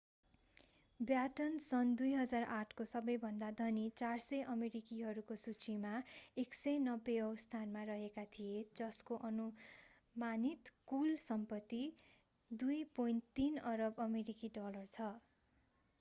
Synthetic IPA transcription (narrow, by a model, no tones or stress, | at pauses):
bjaʈʌnsʌnd̪ujɦʌd͡zaraʈʰkosʌbʌjbʱʌnd̪ad̪ʱʌnit͡sarsʌjʔʌmeɾikiɦʌɾukosut͡simaeksʌjnʌbːeɦʌwst̪ʰanmarʌɦekat̪ʰijed͡zʌskoʔʌnu | manit̪kulsʌmpʌt̪ːi | d̪ujpojnt̪ːinʌɾʌbʌmeɾikiɖʌlʌrt͡sʰʌ